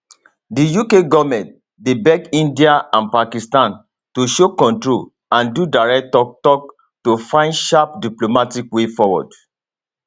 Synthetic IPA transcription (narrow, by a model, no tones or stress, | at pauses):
dijukeɡɔvmɛ̃nt | debɛɡĩndiaãnpakistãn | toʃokɔ̃ntɹol | ãndudaɹɛk̚tɔtɔk̚ | tofãɪndʃap̚diplomatikwefɔwɔ̰d